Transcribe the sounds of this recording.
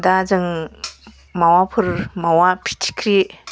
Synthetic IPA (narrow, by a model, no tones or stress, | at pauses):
dazɯŋ | mawapʰɯɾmawapʰi̥tʰi̥kʰɾi